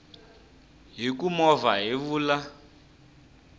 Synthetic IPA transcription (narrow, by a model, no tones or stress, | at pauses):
ɦikumɔvaɦiβuːla